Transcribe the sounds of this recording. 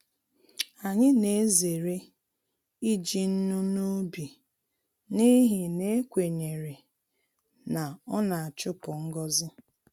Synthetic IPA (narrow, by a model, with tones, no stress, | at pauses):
a˨ɲɪ˦ne˨˦ze˨ɾe˦ | i˦d͡ʒi˨n̩˦nu˦nu˦bi˨ | ni˦ɦi˨ne˦kʷe˨ɲe˨ɾe˨ | na˨ɔ˦na˨a˨t͡ʃʊ˦pʊ˨ŋ̩˦ɡɔ˦zɪ˦